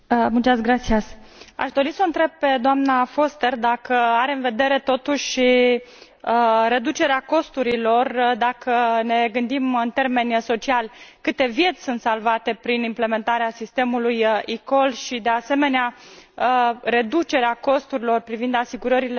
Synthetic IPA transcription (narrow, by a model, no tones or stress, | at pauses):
mut͡ʃasɡɾat̪sias | a̰ʃd̪o̞ɾisəɨnt̪ɾe̞b̚pe̞d̪oamnafo̞st̪erd̪akəaɾe̞ɨnve̞d̪e̞ɾe̞t̪o̞t̪uʃʲʃi | ɾe̞d̪ut͡ʃe̞ɾeako̞st̪uɾilo̞rd̪akəne̞ɡɨnd̪imɨnt̪e̞rme̞nʲso̞t͡ʃialkɨt̪e̞vje̞t̪sʲsunt̪salvat̪e̞pɾinimple̞me̞nt̪aɾeasist̪e̞mulujiko̞lʃid̪e̞ase̞me̞nea | re̞d̪ut͡ʃe̞ɾeako̞st̪uɾilo̞rpɾivind̪asiɡuɾəɾile